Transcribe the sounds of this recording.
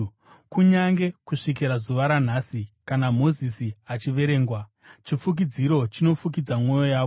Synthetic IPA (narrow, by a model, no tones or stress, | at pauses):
kuɲaŋɡe̞kuʂikiɾazuʋaɾan̤aːsikanamo̞zisiat͡ʃiʋe̞ɾe̞ːŋɡwa | t͡ʃifuk̬id͡ziɾo̞t͡ʃino̞fuk̬id͡zamŋwo̞jo̞jaːʋo